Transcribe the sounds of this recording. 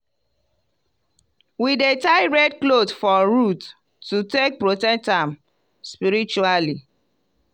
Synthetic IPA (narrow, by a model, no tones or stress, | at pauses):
widetaɪɹɛdklodfɔɹutː | utek̚pɹotɛk̚tãm | spiɹit͡ʃuali